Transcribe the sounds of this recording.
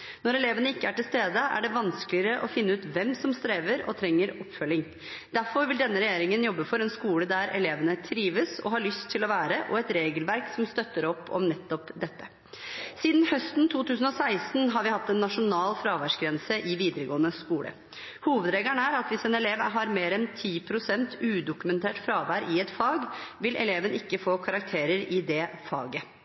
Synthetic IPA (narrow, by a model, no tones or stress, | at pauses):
nɔɾɛleːʋənəɪkːəæʈɪlst̪eːd̪əæ̰ɖɛʋɑnskəlɪəɾəʔɔ̰fɪnːəʉːt̪ʋɛmsɔmst̪ɾeːʋəɾɔ̰t̪ʰɾɛŋːəɾɔpːfœlːɪŋ | d̪̥æɾfɔɾʋɪld̪ɛnːəɾɛjeːɾɪŋənjɔbːəfɔɾɛnskuːləd̪æɾʔɛ̰leːʋənət̪ʰɾiːʋəsɔ̰hɑɭʏst̪ʰːɪlɔʋæːɾəʔɔɛt̪ɾeːɡəlʋæɾksɔmst̪œt̪ːəɾɔpːɔ̰mnɛt̪ːɔpd̪ɛt̪ːə | siːd̪nhœst̪nt̪ʰuːt̪ʉːs̬n̩ɔsæɪst̪n̩ɦɑɾʋɪhɑt̪ːɛnːɑʂʊnɑːlfɾɑːʋæʂɡɾɛnsəʔɪʋiːd̪əɾəɡoːənəskuːlə̰ | huːʋəd̪ɾeːɡəɳəæɾɑt̪ʋɪsɛnɛleːʋɦɑɾmeːɾɛnt̪ʰiːpʰɾʊsɛnt̪ʰʉːd̪ʊkʉmɛnt̪ʰeːʈfɾɑːʋæɾʔɪɛt̪fɑːɡʋɪlʔɛ̰leːʋənɪkːəfoːkʰɑɾɑk̚t̪ʰeːɾəɾɪd̪ɛfɑ̰ːɡə